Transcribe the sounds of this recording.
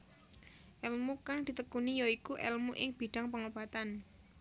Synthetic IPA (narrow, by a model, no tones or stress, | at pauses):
ʔɛlmukaŋd̪̥i̤t̪əkunijoikuʔɛlmuʔɪŋb̥i̤ɖ̥aŋpəŋobat̪an